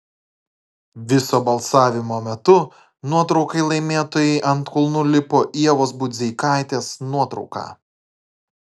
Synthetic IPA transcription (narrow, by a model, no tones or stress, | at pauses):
ʋʲɪsoːbɐlˠsɑːʋʲɪmoːmʲɛt̪ʊ | nuɔt̪ɾɒʊkɐɪlˠɐɪmʲeːt̪oːjɛɪʔɐnt̪kʊlˠnʊlʲɪpoːʔiɛʋoːsbʊd̪ʲzʲɛɪkɑˑɪt̪ʲeːsnuɔt̪ɾɒ̰ʊkɑ̰ː